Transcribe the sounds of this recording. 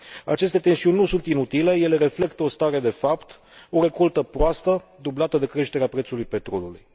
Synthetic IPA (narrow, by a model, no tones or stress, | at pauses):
at͡ʃe̞st̪e̞t̪e̞nsiunʲːusunt̪inut̪ile̞je̞le̞ɾe̞fle̞kt̪əost̪aɾe̞d̪e̞fapt̪ | o̞ɾe̞kolt̪əpɾoast̪əd̪ublat̪əd̪e̞kɾe̞ʃt̪e̞ɾeapɾe̞t̪sulujpe̞t̪ɾo̞luluj